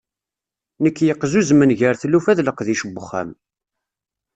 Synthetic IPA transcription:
nəkːjəqːzuzmənʝəɾθlːufæðləqðiʃəbːəχːæ̰m

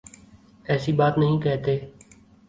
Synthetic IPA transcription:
ɛːsiːbaːt̪nəɦĩːkɛːt̪eː

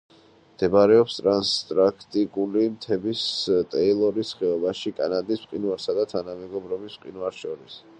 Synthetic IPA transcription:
md̪̥ɛbaɾɛɔpst̪ʼɾanst̪ʼɾakʰt̪ʼikʼulimt̪ʰɛbist̪ʼɛilˠɔɾisχɛɔbaʃikʼa̰nad̪isbqʼinwaɾsad̪at̪ʰanamɛɡɔbɾɔbisbqʼinuaɾʃɔɾis

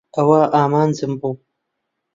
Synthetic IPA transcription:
ɐwaːʔaːmaːnzɨmbu

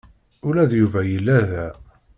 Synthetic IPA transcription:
ʊɾæðjuvæjəlːæðæ

